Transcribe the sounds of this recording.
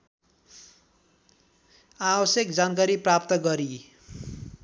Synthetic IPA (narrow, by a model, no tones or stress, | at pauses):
abʌsjekd͡zankaɾiprap̚t̪ʌɡʌɾi